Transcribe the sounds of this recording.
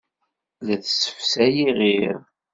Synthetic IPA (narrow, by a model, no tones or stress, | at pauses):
læθsə̥fsæjiʁiɾ